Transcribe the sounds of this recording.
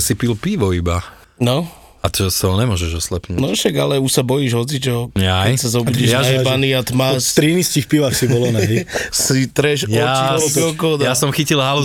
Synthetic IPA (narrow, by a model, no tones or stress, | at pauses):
sipilpiʋɔiba | nɔ | at̪ɔsaɦɔɲɛmʊɔʒɛʒɔslɛpnuːnɔʃaɡalɛuʃsabɔjiʒɦɔt͡sit͡ʃɔɲakɛjsazɔbuɟɛʒaaɛbaniat̪masɾiniscixpiʋaxsibɔlɔnɛɦɛsit̪ɾɛʃjaɔbɔkɔd̪jasɔmxicilɦalu